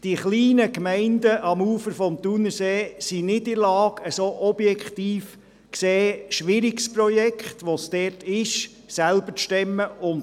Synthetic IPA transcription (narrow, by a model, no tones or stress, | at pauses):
d̥iχliːnəkmɛɪndəʔɑmuːfəɾfɔmt̪unəseːsinɪdɪɾlɑːɡəsoʔɔbjɛkχt̪iːf | kseːʃʋɪɾiksprɔjɛkχtʋosd̥ɛːrtɪʃ | sælbəʃtɛmːəʔʊn